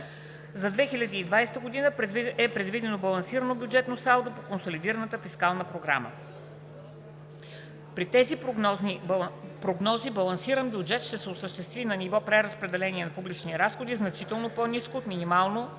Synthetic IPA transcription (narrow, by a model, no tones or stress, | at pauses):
zɐd̪vɛxilʲɐd̪iːd̪vajst̪əɡod̪inəp̪ɛpɾɛd̪vid̪ɛnobɐlˠɐnsiɾənobʲjud͡ʒɛt̪nosalˠd̪opokonsolid̪iɾənət̪əfiskalˠnəpɾoɡɾa̰mə̰ | pɾit̪ɛzip | pɾoɡnɔzibɐlˠɐnsiɾənbʲjud͡ʒɛt̪ʃt̪ɛsɛʊsəʃt̪ɛst̪vinɐnivɔpɾɛɾəspɾɛd̪ɛlɛniɛnɐpublit͡ʃniɾasxod̪iznɐt͡ʃit̪ɛlˠnoponiskoːt̪minimalˠno